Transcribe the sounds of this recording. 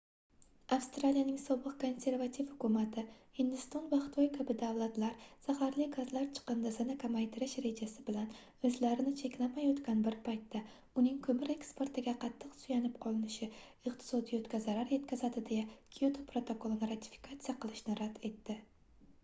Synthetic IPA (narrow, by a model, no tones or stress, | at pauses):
afst̪ɾalijanɪŋsɒbɨqko̞nse̞ɾvat̪ʰifhʊkʊmat̪ʰɪhɪnd̪ɪst̪ɒnvaχɪ̥t̪ʰɒjkʰabɪd̪avlˠat̪laɾz̥ahaɾlɪɡazlaɾt͡ʃʰɨ̥qɨnd̪azɪnɪkʰamajt̪ʰɪɾɪʃɾe̞d͡ʒasɪbɪlan | ɵzlaɾɪnɪt͡ʃʰe̞kʲlamajot̪kʲanbɪɾpʰajt̪ːa | ʊnɪŋkʰɵmɪɾe̞kspe̞ɾt̪ɪɡʲaqʰɑt̪ʰːɨqsʊjanɪp̚qʰɒlˠɪnɪʃɪɪqt̪ʰɪ̥sɒd̪ijot̪kʲazaɾaɾje̞t̪kʲʰazad̪ɪd̪ejakʲʰiot̪ʰopɾo̞t̪ʰo̞kolˠnɪɾat̪ʰi̥fi̥kʰat̪sijaqʰɨlˠɪʃnɪɾad̪e̞t̪ːɪ